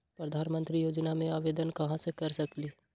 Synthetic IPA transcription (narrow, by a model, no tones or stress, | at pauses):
pɾəd̪ʱaːnmə̃nt̪ɾijoːd͡ʒnamẽaːʋeːd̪ənkɐɦãsekɐɾsɐkliː